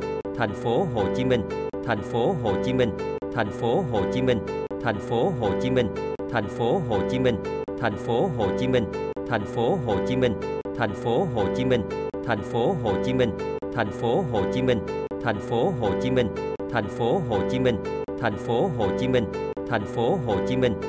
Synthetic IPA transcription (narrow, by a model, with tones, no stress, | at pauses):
t̪ʰɛ˨˩jŋ̟fo˨˦ɦo̰˧˨˩t͡ɕi˨˦mï˧˩ŋ̟ | t̪ʰɛ˨˩jŋ̟fo˨˦ɦo̰˧˨˩t͡ɕi˨˦mï˧ŋ̟ | t̪ʰɛ˨˩jŋ̟fo˨˦ɦo̰˧˨˩t͡ɕi˨˦mï˧ŋ̟ | t̪ʰɛ˨˩jŋ̟fo˨˦ɦo̰˧˨˩t͡ɕi˨˦mï˧ŋ̟ʰ | ɛ˨˩jŋ̟fo˨˦ɦo̰˧˨˩t͡ɕi˨˦mï˧ŋ̟ | t̪ʰɛ˨˩jŋ̟fo˨˦ɦo̰˧˨˩t͡ɕi˨˦mï˧ŋ̟ | t̪ʰɛ˨˩jŋ̟fo˨˦ɦo̰˧˨˩t͡ɕi˨˦mï˧ŋ̟ʰ | ɛ˨˩jŋ̟fo˨˦ɦt͡ɕi˨˦mï˧˩ŋ̟ | t̪ʰɛ˨˧˩jŋ̟fo˨˦ɦo̰˧˨˩t͡ɕi˨˦mï˧ŋ̟ | t̪ʰɛ˨˩jŋ̟fo˨˦ɦo̰˧˨˩t͡ɕi˨˦mï˧ŋ̟ | t̪ʰa̰ɛ˨˩jŋ̟fo˨˦ɦo̰˧˨˩t͡ɕi˨˦mï˧˩ŋ̟ | t̪ʰɛ˨˧˩jŋ̟fo˨˦ɦo̰˧˨t͡ɕi˨˦mï˧ŋ̟ | t̪ʰɛ˧˩jŋ̟fo˨˦ɦo̰˧˨˩t͡ɕi˨˦mï˧ŋ̟ | t̪ʰɛ˨˩jŋ̟fo˨˦ɦo̰˧˨t͡ɕi˨˦mï˧˩ŋ̟